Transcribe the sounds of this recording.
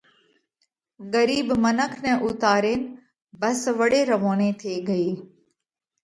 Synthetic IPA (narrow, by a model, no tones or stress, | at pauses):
ɠəɾiːbmənəkʰnɛ̃ːʔʊt̪aːɾeːnɪ̆ | bəsʋəɽeːɾəʋoːneːt̪ʰeːɡəeː